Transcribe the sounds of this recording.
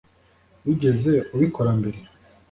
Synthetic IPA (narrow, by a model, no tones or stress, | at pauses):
wiɟe̞ze̞uβikʰo̞ɾambe̞ɾe